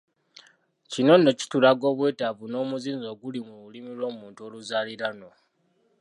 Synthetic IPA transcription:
cino̞nːo̞ci̥tulaɡo̞ːβwe̞ːtaβuno̞ːmuziːnzo̞ːɡulimuβulimilwo̞ːmuːntuo̞luzaːliɾano

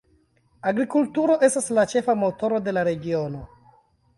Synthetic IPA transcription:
aɡɾikultuɾo̞ʔe̞staslat͡ʃe̞famo̞to̞ɾo̞de̞laɾe̞ɡio̞no̞

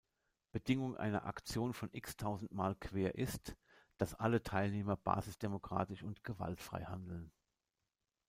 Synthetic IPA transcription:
b̥ədɪŋʊŋʔa̰ɪnɐ̰ʔa̰kt͡sjoːnfɔnʔɪkstʰaʊzn̩tmaːlkv̥eːɐʔɪst | d̥asʔalətʰaɪlneːmɐb̥a̰ːzɪsd̥emokʁ̥a̰ːtɪʃʊntɡ̥əva̰ltfʁ̥a̰ɪha̰ndl̩n

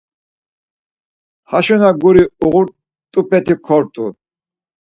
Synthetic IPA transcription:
haʃɔnaɡuɾiuʁuɾ | t̪ʼupʰɛt̪ʰikʰɔɾt̪ʰʼu

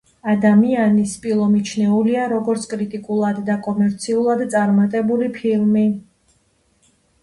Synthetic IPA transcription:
ad̪amianispʼilˠɔmit͡ʃʰnɛuliaɾɔɡɔɾt̪sʰkʼɾit̪ʼikʼulˠad̪ːakʼɔmɛɾt̪sʰiulˠad̪t̪sʼaɾmat̪ʼɛbulipʰilˠmi

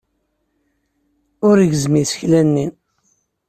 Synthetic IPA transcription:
ʊɾʝzmisçlænːi

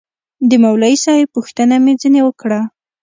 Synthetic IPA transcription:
d̪əmawlɑisɑjepuxt̪ənamed͡zənewəkɽa

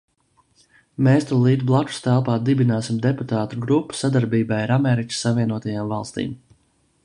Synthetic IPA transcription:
meːst̪ulˠiːd̪blˠaku̥st̪ælˠpaːd̪ibinaːsimd̪eput̪aːt̪uɡɾupːu̥sad̪aɾbiːbajaɾamɛɾikə̥sːaviɛnuɔt̪ajaːmvalˠst̪ḭːm

